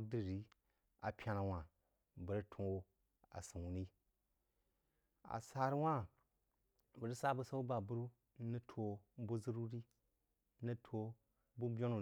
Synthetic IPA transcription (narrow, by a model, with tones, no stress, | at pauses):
di˦˨ɾi˦ | a̰˨pʲa˦na˨wã˨ | bə˨ɾi˦tʰu˨˦o˦ | a̰˨si˨wu˨ni˦ | a̰˨sa˨ɾi˦wa˦ | bə˨ɾi˦sa˦bu˦sa˦u˦ba˨bu˦ɾu˦ | ni˦tʰo˨˦bu˦zu˦ɾu˦ɾi˦ | ni˦tʰo˦ | bu˦bʲo˦nu˨